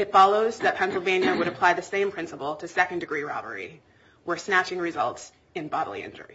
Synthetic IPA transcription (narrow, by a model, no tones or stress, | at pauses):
ɨtfɑlˠoʊzðɨt̚pʰɛ̃nsl̩ˠvẽɪ̃njɨwəɾɨpʰl̥aɪðɨsẽɪ̃mpʰɹ̥ɪ̃nsəpl̩ˠtʰɨsɛkɨ̃n̩dɨɡɹiɹɑbə̰˞ḭ | wə˞snæt͡ʃɪ̃ŋɹɨzʌ̰lˠts | ɨ̃nbɑɾl̩ˠḭɪ̰̃nd͡ʒə̰˞ḭ